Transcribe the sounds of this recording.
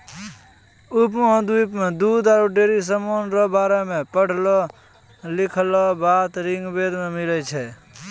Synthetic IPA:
ʊp̬mɔ̃d̪uipmẽd̪uːd̪aɾoɖeːɾis̬əmoːnɾobaːɾemẽpəɽ̤ʱlɔ | lɪkʰlɔbaːt̪ɾɪ̃ŋɡbeːd̪mẽmɪlɛt͡ʃʰɛ

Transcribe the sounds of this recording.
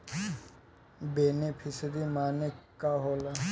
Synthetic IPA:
beːnepʰɪsd̪imaːnekaɦoːla

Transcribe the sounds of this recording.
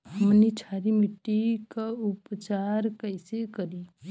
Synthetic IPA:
ɦəmnit͡ʃʰaɾimiʈːikaʊpt͡ʃaɾkəɪsekəɾi

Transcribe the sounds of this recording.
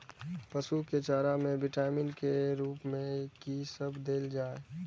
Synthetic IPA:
pəsuket͡ʃaːɾamẽbɪʈaːmɪnkeɾuːpmẽkisəbd̪eːld͡ʒaːe

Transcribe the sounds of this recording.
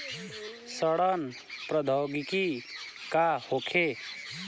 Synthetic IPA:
səɽʌn | pɾəd̪ʱəwɡikikahokʰe

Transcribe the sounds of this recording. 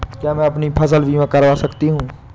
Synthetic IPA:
kjaːmɛ̃ːɐpnipʰəs̬əlʋʱiːʋãkəɾʋaːsəkt̪iɦũː

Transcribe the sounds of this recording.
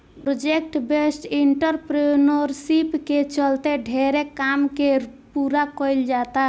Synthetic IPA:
pɾod͡ʒekʈbesʈiɳʈəɾpɾinəɾsipket͡ʃəlt̪eɖʱeɾekamkepuɾakɔɪld͡ʒat̪a

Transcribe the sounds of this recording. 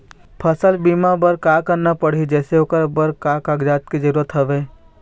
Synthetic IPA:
pʰəsəlbiːmabəɾkaːkəɾnapəɽ̤id͡ʒɛːseokəɾbəɾkaːkaːɡd͡ʒaːt̪̚kid͡ʒəɾuːɾət̪ɦɐʋeː

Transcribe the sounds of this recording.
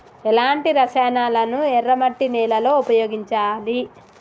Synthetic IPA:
ɛlaːɳʈiɾɐsɛːnaːlɐnuɛrːɐmɐʈːinɛːlɐlo̞ːupɐjoːɡiɲt͡ʃaːli

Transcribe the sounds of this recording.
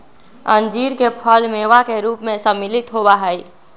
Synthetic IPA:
ənd͡ʒiɾkepʰəlmeʋakeɾuːpmẽsəmːilit̪ɦobaɦəj

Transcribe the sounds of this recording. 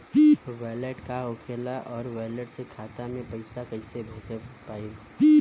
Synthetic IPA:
ʋɛːleʈkaokʰeːlaʔɔːɾʋɛːləʈsekʰaːt̪amẽpəɪsakɐɪsebʱɐd͡ʒəpaːi

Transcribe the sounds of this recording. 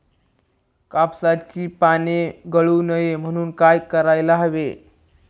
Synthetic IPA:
kapsat͡ɕiːpaneɡəɭuːnəjem̤əɽ̃uːnkajkəɾajlaɦəʋḛ

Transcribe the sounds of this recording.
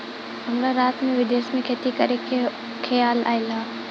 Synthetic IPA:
ɦɐmɾaɾaːt̪mẽʋɪd̪eːsmẽkʰeːt̪ikɐɾekʰ | kʰejaːla̰ːɪlaː

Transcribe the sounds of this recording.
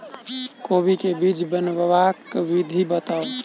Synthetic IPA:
kobikebid͡ʒbənbʋakʋid̪ʱibət̪a

